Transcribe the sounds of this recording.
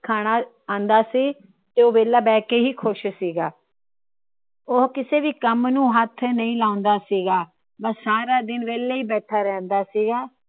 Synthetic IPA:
kʰaːɽ̃aː | ãːnd̪aːsiː | t̪eːoːʋeːlaːbɛːkeːɦiːkʰʊʃsiːɡaː | oːkɪseːʋiːkəmnũːɦət̪ʰnəĩːlãːʊnd̪aːsiːɡaː | bəssaːɾaːd̪ɪnʋeːleːiːbɛːʈʰaːɾɛ̃ːnd̪aːsiːɡaː

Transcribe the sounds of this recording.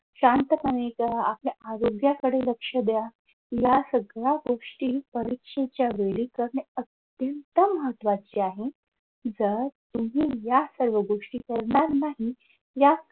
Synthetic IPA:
ɕant̪əməneka̰pliʔaɾoɡjakəɽeləkʂəd̪ja | jasəɡɭaɡoʂʈiːpəɾikʂet͡ɕjaʋelikəɾɳeət̪ | jənt̪əməɦət̪ʋat͡ɕiaɦe | d͡zəɾt̪um̤iːjasəɾʋəɡoʂʈikəɾɳaɾnaɦi | ja

